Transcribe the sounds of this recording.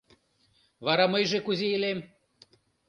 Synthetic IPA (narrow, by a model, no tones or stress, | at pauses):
βɑɾɑmɤjʒekuzʲeelem